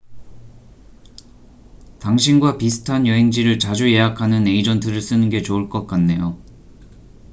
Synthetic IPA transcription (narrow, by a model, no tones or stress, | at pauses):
taŋɕʰinɡwapisʰɯ̥tʰanjʌɦe̞ŋd͡ʑiɾɯɭt͡ɕad͡ʑuje̞ɦakʰanɯne̞id͡ʑʌntʰɯɾɯɭs͈ɯnɯnɡe̞t͡ɕouɭk͈ʌk͈anːe̞jo